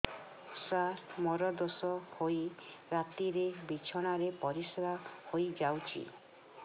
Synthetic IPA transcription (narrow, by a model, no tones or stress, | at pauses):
sasmɔɾɔd̪ɔsɔhojɾat̪iɾebit͡ʃʰɔɽ̃aɾepɔɾisebʱahojd͡ʒawt͡ʃʰḭ